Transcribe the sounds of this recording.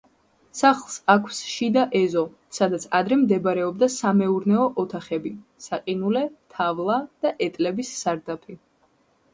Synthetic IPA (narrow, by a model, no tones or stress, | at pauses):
saχlˠsakʰsʃid̪aʔɛzɔ | sad̪at̪sʰad̪ɾɛmd̪ɛbaɾɛɔb̚d̪asamɛuɾnɛɔʔɔt̪ʰaχɛbisaqʼinulɛt̪ʰavlˠad̪̥aʔɛt̪ʼlɛbisːaɾd̪apʰi